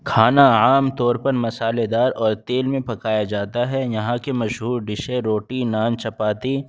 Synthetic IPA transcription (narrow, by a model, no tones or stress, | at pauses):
kʰaːnaaːmt̪ɔːɾpɐɾmɐsaːled̪aːɾɔːɾt̪eːlmẽpɐkaːjad͡ʒaːt̪aɦɛjɐɦãkemɐʃɦuːɾɖɪʃeɾoːʈinaːnt͡ʃɐpaːt̪i